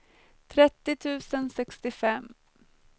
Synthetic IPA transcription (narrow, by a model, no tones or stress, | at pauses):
t̪ʰɾɛt̪ːɪt̪ʰʉ̟ːsənsɛkst̪ɪfɛm